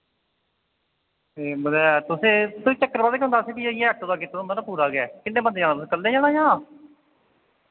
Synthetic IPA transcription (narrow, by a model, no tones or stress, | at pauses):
eːbəd̪aːjat̪ʊsẽːt̪ʊsĩːt͡ʃəkːəɾbaːd̪eːkeɦʊ̃nd̪aːseːkiaeːəʈːod̪aːket̪ːõnd̪aːnãːpuːɾaːɡɛːkɪnːẽːbənd̪eːd͡ʒaːɽ̃aːt̪ʊs̬ẽːkəlːeːd͡ʒaːɽ̃aːjãː